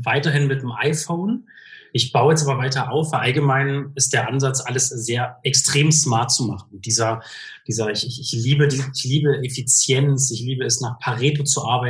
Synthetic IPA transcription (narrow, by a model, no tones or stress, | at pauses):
vaɪtɐɦɪnmɪt̚nmʔa̰ɪfoʊn | ʔɪçb̥aʊəjɛstʔaːbɐvaɪtɐʔaʊfaʔalɡəmaɪnɪst̚d̥eːɐʔanzat͡sʔaləszeːɐʔɛkstʁ̥eːmsmaɐt̚t͡sumaχn̩d̥iːzɐd̥iːzɐɪçɪçɪçliːbədiːɪçliːbəʔefit͡sjɛnsɪçliːbəɛsnaːχpʰaʁeːtot͡suʔaɐbaɪ